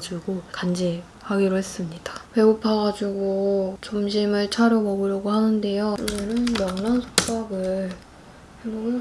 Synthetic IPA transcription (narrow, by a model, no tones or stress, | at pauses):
d͡ʑuɡokand͡ʑi | haɡiɾoɦe̞s͈ɯmɲid̥ḁpe̞opʰaɡad͡ʑuɡot͡ɕʌmɕʰimɯɭt͡ɕʰaɾjʌmʌɡɯɾjʌɡohanɯnde̞joɲenɯnmʌŋnansʰo̥k̚p͈aɡɯɭ | kɯɾoɡ